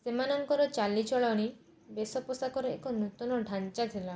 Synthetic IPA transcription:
semanɔŋkɔɾɔt͡ʃalit͡ʃɔɭɔɽ̃i | besɔpɔsakɔɾɔḛkɔnut̪ɔnɔɖʱant͡ʃat̪ʰila

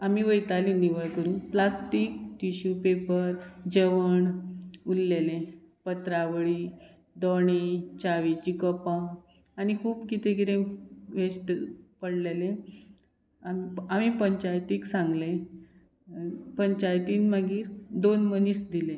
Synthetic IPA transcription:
amiʋəjt̪alĩniʋəɭkəɾũːnplasʈiːk̚ʈiɕupepəɾd͡ʑəʋəɳulːelẽ | pət̪ɾaʋəɭi | d̪ɔɳ̃et͡ɕaʋit͡ɕikəpã | añikʰuːbkit̪eɡiɾẽʋesʈpəɽlelẽ | amamipəɲt͡ɕajt̪iksãŋɡlẽ | pəɲt͡ɕajt̪iːnmaɡiːɾd̪onmənisd̪ilẽ

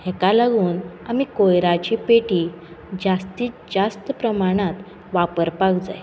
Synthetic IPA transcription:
hekalaɡuːna̰mikojɾat͡ɕiːpeʈiː | d͡zast̪iːt͡sd͡zast̪əpɾəmaɽ̃at̪ | ʋapəɾpakd͡za̰j

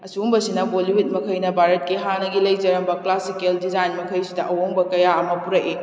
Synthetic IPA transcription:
ɐsumbɐsinɐboliwit̚mɐkʰɐjnɐbʱaɾɐt̚kiɦanɐɡilɐjd͡ʒɐɾɐmbɐklasikeldizajnmɐkʰɐjsidɐʔɐwoŋbɐkɐjaɐmɐpuɾɐki

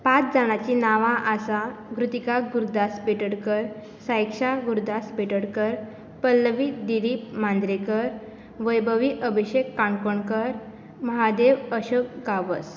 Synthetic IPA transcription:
pat͡sd͡zaɽ̃at͡ɕinaʋãʔasaɡɾut̪ikaɡuɾd̪asbʱeʈəɽkəɾ | sajkʂaɡuɾd̪asbeʈəɽkəɾ | pəlːʋid̪iɾiːp̚mãnd̪ɾekəɾ | ʋəjbʱəʋiʔəbiɕekːaɳkoɳkəɾ | məɦad̪eʋəɕok̚ɡaʋəs

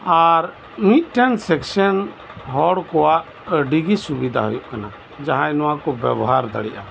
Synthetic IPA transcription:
aɾ | mit̪̚ˀʈɛnsɛksən | ɦɔɽkɔwaʔ | ɖiɡisubid̪ʱa̰ɦṵjɔʔkana | d͡ʒaɦãɛnɔwãkɔbɛ̰bɔɦaɾd̪a̰ɽiʔa

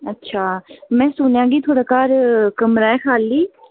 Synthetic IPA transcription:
ətːʃʰaːmɛ̃ːsʊnjãːɡiːt̪ʰoːɽaːkaːɾkəmɾaːɛːkʰaːlːiː

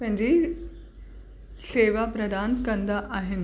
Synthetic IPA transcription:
mə̃ɲd͡ʑi | seʋapɾəd̪ʱaːnkənd̪ʱaʔaɦen

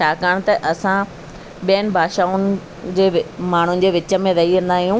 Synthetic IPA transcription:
t͡ɕʰaːkɐəɽ̃̆t̪ɐʔɐsã | ɓijənɪ̆bʱaːʃaːʊnɪ̆ | d͡ʑeːmaːɳ̤ʊnɪ̆d͡ʑeːʋɪt͡ɕə̆mẽɾɐiʋɐ̃nd̪aːɦijũ

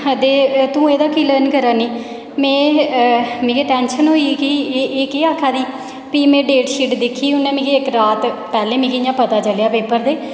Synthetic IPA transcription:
əd̪eːt̪ũːeːd̪aːkiːləːnkəɾaːniː | mɛ̃ː | mĩːkeːʈɛːnʃənɦoːiːkieeːkeːaːkʰːaːd̪iː | piːmẽːɖeːʈʃiːʈd̪ɪkʰːiːʊnːẽːmĩːɡeːɪkɾaːt̪pɛːlẽːmĩːkːãːpət̪aːt͡ʃəlejaːpeːpəɾd̪eː

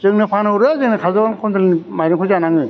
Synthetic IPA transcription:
zɯŋnɯpʰanɯwɾɯzɯŋnɯkʰazɔɡankʰɔndɯlnimajɾɯŋkʰɔzanaŋɯ

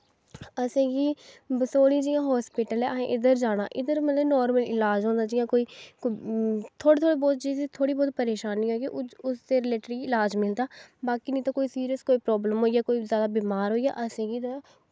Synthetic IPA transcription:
əsẽːɡiːbəsoːɽ̃ĩːd͡ʒijãːɦɔːspɪʈəlɛːʔəɦẽʔɪd̪əɾd͡ʒaːɽ̃a̰ːʔɪd̪əɾmət̪ləbnɔːɾməlɪlaːd͡ʒɦõːnd̪aːd͡ʒɪːjãːkoːiːkt̪ʰoːɽiːt̪ʰoːɽiːbɔːt̪̚d͡ʒisit̪ʰoːɽiːbɔːt̪̚pəɾeːʃaːnːĩːoːkiʊst̪eːɾɪleːʈəɾiːɪlaːd͡ʒmɪlt̪aːbaːkiːnĩːt̪aːkoːiːsiːɾiəskoːiːpɾɔːbləmɦoːijaːkoːiːzjaːd̪aːbiːmaːɾɦoːija̰ːʔəsẽːɡiːt̪a

